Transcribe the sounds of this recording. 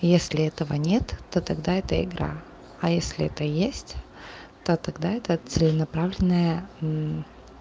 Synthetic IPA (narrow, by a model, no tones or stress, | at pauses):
jesʲlʲɪɛt̪əvənʲet̪ːot̪ɐɡd̪aɛt̪əɪ̰ɡɾʔa̰ | ɐjesʲlʲɪɛt̪əjesʲtʲ | t̪ot̪ɐɡd̪aɛt̪ət̪sɨlʲɪnɐpɾavlʲɪnːəjə